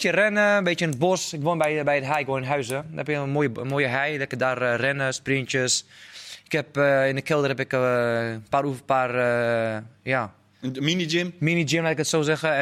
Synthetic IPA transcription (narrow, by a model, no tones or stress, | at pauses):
tjərɛnəəbeːtənət̚bɔsɪkʋonbɛjbɛjətɦɛjɪkʋoːnɪnɦœɥsədəɛpɪkəmoːjəmoːjəɦɛjlɛkədarrɛnəspriənt͡ʃjəsɪkhɛpːɪndəkɪlˠdərəɦɛpɛkəpaːɾufəpaːrə | ja | minid͡ʒɪmminid͡ʒɪmlaːtɪkətsoːsɛxə